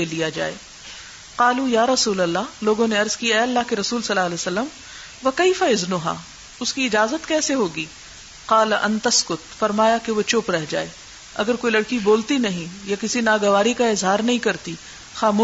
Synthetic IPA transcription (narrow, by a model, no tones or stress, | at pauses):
elijad͡ʒa̰ːḛː | qaːlujaːɾɐsuːlɐlːaɦloːɡõneɐɾzkijaɛɐlːaːɦkeɾɐsuːlsɐlːaːɐlɛːsɐlːəm | ʋɐkɐɪfaɪznʊɦa̰ː | ʊskiɪd͡ʒaːzət̪kɛːseɦoːɡiː | qaːlʔɐ̃nt̪ɐskʊt̪fɐɾmaːjakeʋot͡ʃʊpɾɛɦd͡ʒa̰ːeː | ɐ̰ɡəɾkoːilɐɽkiboːlt̪inɐɦĩjakɪsinaːɡɐʋaːɾikaɪzɦaːɾnɐɦĩkɐɾt̪i | xaːmu